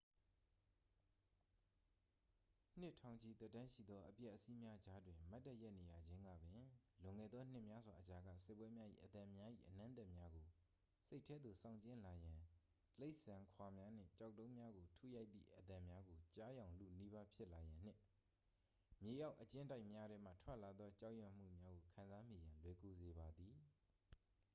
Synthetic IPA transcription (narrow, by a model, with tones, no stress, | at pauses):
n̥ɪ˦ʔtʰã˨ʊ̃ɲt͡ɕʰi˨t̪ɛ˦˨tːã˦ʃḭ˦˨d̪ðɔ˦ʔəpjɛ˦ʔːəsi˦mja˦d͡ʑa˦dwɪ̃˨ma˦tːɛ˦ʔjɛ˦ʔne˨ja˨d͡ʑɪ̃˦ŋɡa̰˦˨bɪ̃˨lʊ̃˨ŋɛ̰˦˨d̪ðɔ˦n̥ɪ˦ʔmja˦zwa˨ʔət͡ɕa˨ɡa̰˦˨sɪ˦˨pːwɛ˦mja˦ʔḭ˦˨ʔət̪ã˨mja˦ʔḭ˦˨ʔənã˦nt̪ɛ˦ʔmja˦ɡo˨ | se˦ɪtʰːɛ˦d̪ðo˨sã̰˦˨ʊ̃ɲt͡ɕɪ̃˦˨la˨jã˨ | le˦ɪʔsã˨kʰwa˨mja˦n̥ɪ̰̃˦˨t͡ɕa˦˨ʊtːõ˦ʊ̃mja˦ɡo˨tʰṵ˦˨ja˦ɪt̪̚ðḭ˦˨ʔət̪ã˨mja˦ɡo˨t͡ɕa˦jã˨ʊ̃lu˨ni˦ba˦pʰjɪ˦ʔla˨jã˨n̥ɪ̰̃˦˨ | mje˨ja˦ʊʔət͡ɕɪ̃˦nda˦ɪʔmja˦ɾɛ˦m̥a̰˦˨tʰwɛ˦ʔla˨d̪ðɔ˦t͡ɕa˦ʔjɛ˨m̥ṵ˦˨mja˦ɡo˨kʰã˨nza˦mi˦˨jã˨lwɛ˨ko˨ze˨ba˨d̪i˨